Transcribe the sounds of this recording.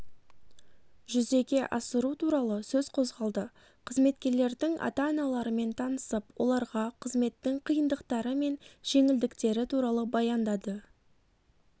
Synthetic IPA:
ʒʏze̞ɡʲe̞ʔɑsəɾut̪ʰuɾɑlˠəsɵzqʰo̞zʁɑlˠd̪ə | qʰəzme̞t̪kʲe̞ɾle̞ɾd̪ɪŋʔɑ̰t̪ɑːnɑlˠɑɾəme̞nt̪ʰɑnəsəpwo̞̰lˠɑɾʁɑqʰəzme̞t̪ːɪŋqʰijənd̪əqt̪ɑɾəme̞nʒ̥e̞ŋɪld̪ɪkt̪e̞ɾɪt̪ʰuɾɑlˠəbɑjɑnd̪ɑd̪ə

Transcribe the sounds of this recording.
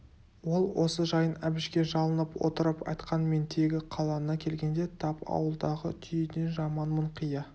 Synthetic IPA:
wo̞lˠwo̞səʒɑjənæbɪʃkʲe̞ʒɑlˠənəpwo̰t̪əɾəpɑ̰jt̪qɑnme̞nt̪ʰe̞ɡʲɪqʰɑlˠɑnɑkʲʰe̞lɡʲe̞nd̪e̞t̪ʰɑpɑ̰wəlˠd̪ɑʁət̪ʰʏjed̪enʒɑmɑnmʊɴqijɑ

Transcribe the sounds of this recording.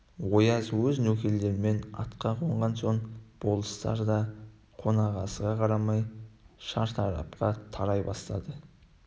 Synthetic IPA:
wo̞jɑzwɵznɵkʲe̞lːe̞ɾɪme̞nɑ̰t̪qɑqʰoɴʁɑnso̞ɴb̥o̞lˠəst̪ɑ̰ɾd̪ɑ | qʰo̞nɑʁɑsəʁɑqʰɑɾɑmɑjʃɑɾt̪ʰɑɾɑ̰p̚qɑt̪ʰɑɾɑjbɑst̪ɑd̪ə

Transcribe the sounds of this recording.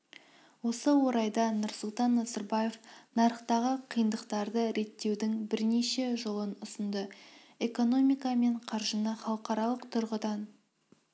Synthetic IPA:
wo̞səwo̞ɾɑjd̪ɑnʊɾsʊlˠt̪ɑnːɑzɑɾbɑje̞fnɑɾəχqt̪ɑʁəqʰijənd̪əqt̪ɑɾd̪əɾe̞t̪ːe̞wd̪ɪŋbɪɾne̞ʃe̞ʒo̞lˠənʊsənd̪ə | e̞ko̞no̞mijkɑme̞ɴqʰɑɾʒənəχɑlˠəqɑɾɑlˠəqt̪ʰʊɾʁəd̪ɑn

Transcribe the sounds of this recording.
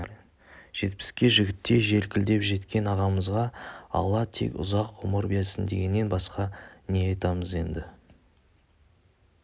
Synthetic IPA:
ʒ̥e̞t̪̚pɪ̥skʲe̞ʒɪɡʲɪt̪ːe̞ʒe̞ɾkʲʰɪld̪e̞pʒe̞t̪kʲe̞nɑʁɑməzʁɑɑ̰lˠɑt̪ʰe̞̰kʲʊ̰zɑqːʰʊməɾbijesɪnd̪e̞ɡʲe̞nːe̞nbɑsqɑne̞ɑjt̪ɑməze̞nd̪ɪ

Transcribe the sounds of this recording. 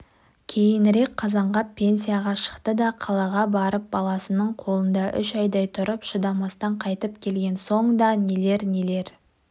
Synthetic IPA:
kʲʰe̞jɪnɾe̞k̚qʰːɑzɑɴʁɑpʲʰːe̞ns̬ʲijaʁɑʃə̥qt̪əd̪ɑqʰɑlˠɑʁɑbɑɾəp̚bɑlˠɑsənəɴqʰo̞lˠənd̪ɑʔʏʃɑjd̪ɑjt̪ʰʊɾəpʃəd̪ɑmɑst̪ɑɴqʰɑjt̪əp̚kʲʰe̞lɡʲe̞nso̞ɴd̪ɑnele̞ɾnele̞ɾ

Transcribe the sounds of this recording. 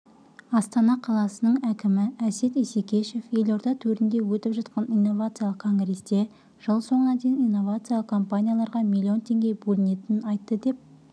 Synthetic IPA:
ɑst̪ɑnɑqʰɑlˠɑsənəɴækʲɪmɪæse̞t̪esekʲe̞ʃe̞fje̞lo̞ɾd̪ɑt̪ʰɵɾɪnd̪e̞wɵt̪ɪpʒɑt̪̚qɑnijnːo̞vat̪sɨijalˠəqkʰːo̞ŋɡɾe̞sd̪e̞ | ʒ̥əlˠso̞ɴənɑd̪e̞jnijnːo̞vat̪sɨjalˠəqkʰo̞mpanʲijalˠɑɾʁɑmʲilʲːio̞nt̪ʰe̞ŋɡʲe̞bɵlɪne̞t̪ɪnɪnɑjt̪ːəd̪e̞p̚

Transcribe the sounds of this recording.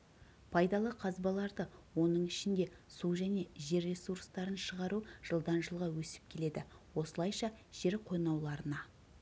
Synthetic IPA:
pʰɑjd̪ɑlˠəqʰɑzbɑlˠɑɾd̪əwo̞nəɴɪʃɪnd̪e̞suwʒæne̞ʒe̞ɾːe̞surst̪ɑɾənʃəʁɑɾuʒ̥əlˠd̪ɑnʒəlˠʁɑwɵsɪ̥p̚kʲʰe̞le̞d̪ɪwo̞səlˠɑjʃɑʒ̥e̞ɾqʰo̞jnɑwlˠɑɾənɑ

